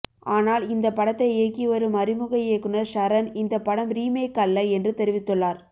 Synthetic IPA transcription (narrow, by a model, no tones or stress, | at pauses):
aːnaːlɪnd̪ɐpːɐɽɐt̪ːɐɪeːkːiʋɐɾɯmɐɾɪmɯɣɐjeːkːɯɳɐɾʂɐɾɐnɪnd̪ɐpːɐɽɐmɾiːmeːkːɐlːɐɛndrɯt̪ɛɾɪʋɪt̪ːɯɭːaːɾ